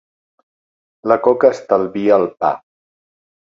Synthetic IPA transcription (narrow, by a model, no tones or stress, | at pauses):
ləkɔkəːst̪əlˠβiəːlˠpa̰